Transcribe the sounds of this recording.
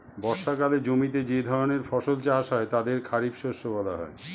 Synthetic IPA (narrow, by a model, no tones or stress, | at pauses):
bɔɾʃakaled͡ʑomit̪ed͡ʑed̪ʱɔɾoneɾfɔʃolt͡ɕaɦaʃɦɔet̪ad̪eɾkʰaɾibʃoʃobɔlaɦɔ̰e